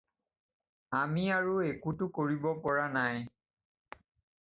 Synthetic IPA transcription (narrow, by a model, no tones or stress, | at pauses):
amiaɹuekutʊkoɹibɔpɔɹanaj